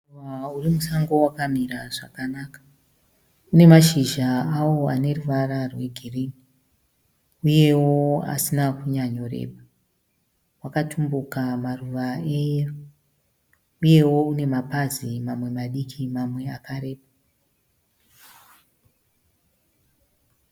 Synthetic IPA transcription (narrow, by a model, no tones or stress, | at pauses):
aurimusaŋɡo̞wakamiɾaʐakanakḁ | une̞maʃiʒaawo̞a̰ne̞ruʋararwe̞ɡʱiriːni | uje̞wo̞a̰sinakuɲaɲo̞re̞̰ːɓa | wakatʰumbukamaruʋae̞jeru | uje̞wo̞une̞mapazimamwe̞maɗikʰimamwe̞akaɾe̞ːpa